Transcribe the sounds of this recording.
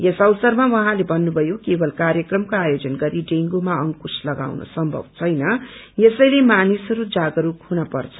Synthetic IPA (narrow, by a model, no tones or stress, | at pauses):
jesʌwsʌrmawʌɦãlebʱʌnːubʱʌjokebʌlkarjʌkrʌmkoajod͡zʌnɡʌɾiɖeŋɡumaʌŋkuslʌɡa̰wno̰sʌmbʱʌ̰bt͡sʰʌjnʌ | jesʌjlemanisʌɾud͡zaɡʌɾukʰunʌpʌrt͡sʰʌ̥